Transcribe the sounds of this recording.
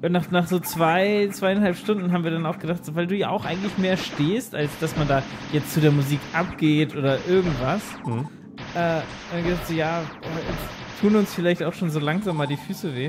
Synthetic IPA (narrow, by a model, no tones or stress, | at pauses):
ʔʊnnaːχnaːχz̥oːt͡sv̥aɪt͡sv̥aɪanhalpʃtʊndn̩ɦabmviːɐdanaʊxɡ̥ədaχtz̥oːvaɪlduːja̰ːʔaʊxʔa̰ɪɡŋ̩tlɪçmeːɐʃteːstʔalsd̥asmandaːjɛt͡stt͡sudeːɐmuziːkʔapɡ̥eːtʔoːdɐʔɪɐɡŋ̩tv̥as | ʔɛː | aɡədaːχtz̥oːjaːoːɛt͡s | tʰuːnʊnsfɪlaɪçtaʊxʃoːnzoːlaŋzaːmːaːldiːfyːsəveː